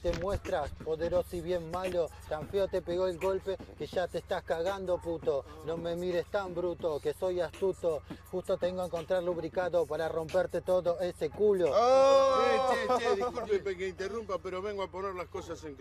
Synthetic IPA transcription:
t̪emwe̞st̪ɾaspo̞ðe̞ɾo̞siβje̞mmalo̞t̪aɱfeot̪e̞peɣo̞elɡo̞lpekeʒat̪est̪askaɣand̪o̞put̪o̞no̞me̞miɾest̪ambɾut̪o̞keso̞jast̪ut̪oxust̪o̞t̪eŋɡoaeŋko̞nt̪ɾaɾluβɾikaðo̞paɾaro̞mpeɾt̪e̞t̪o̞ðo̞ese̞kulo | uepekeint̪erumpapeɾoβeŋɡoapo̞neɾlaskosaseŋ

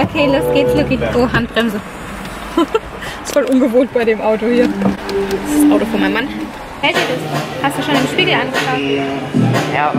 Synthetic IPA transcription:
ʔokʰeːlosɡ̥eːtflʏkɪçʔoːɦant̚b̥ʁɛmzə | ɪstfoːlʔʊnɡəvoːnt̚b̥aɪɾeːmʔaʊtohiːɐ | ssʔaʊtofɔɐmaɪnman | hɛltədɪshastd̥uːʃoːnɪmʃpiːɡl̩ʔanɡəfaːɡ̚ | ja̰ː

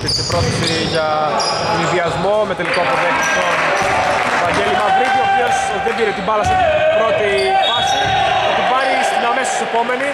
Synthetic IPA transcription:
t̪isepɾoθisi | ʝɐ | t̪onizðiɐzmo̞me̞t̪e̞liko̞povent̪o | t̪oɐɲɟe̞limɐvɾiʝioposot̪iðebʝeɾet̪ibɐlɐsɐpɾot̪iɐs | ɐt̪opɐɾist̪iɲɐmesossepo̞me̞ni

